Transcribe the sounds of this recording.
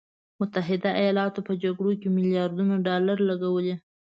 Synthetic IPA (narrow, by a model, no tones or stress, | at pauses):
mʊt̪aɦɪd̪aajɑlɑt̪opəd͡ʒaɡɽokemɪljɑɾd̪unaɖɑlaɾlaɡawəle